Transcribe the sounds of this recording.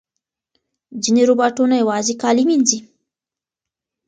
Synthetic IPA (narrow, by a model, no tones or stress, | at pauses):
d͡ʒineɾubɑʈunajawɑzikɑliminzi